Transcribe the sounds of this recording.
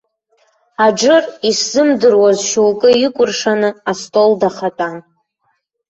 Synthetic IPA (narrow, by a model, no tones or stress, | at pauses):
ad͡ʒɨrisz̥ɨmdɨrwazʃulkʼɨikʷʼʊrʂanɨastʼoldaχatʼa